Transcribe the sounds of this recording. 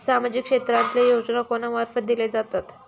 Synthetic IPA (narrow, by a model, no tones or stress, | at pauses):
samad͡ʑikːʂet̪ɾant̪lejod͡ʑnakonamaɾfət̪̚d̪iled͡zat̪at̪